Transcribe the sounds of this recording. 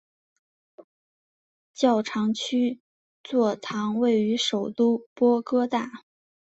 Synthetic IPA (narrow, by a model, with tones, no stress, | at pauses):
t͡ɕjɑ˥˩ʊʈ͡ʂʰɑ˧˥ŋt͡ɕʰy˥ | t͡swɔ˥˩t̪ʰɑ˧˥ŋwe˥˩ɪy˧˥ʂo˨˩ʊt̪u˥˩pwɔ˥kɤ˥t̪a˥˩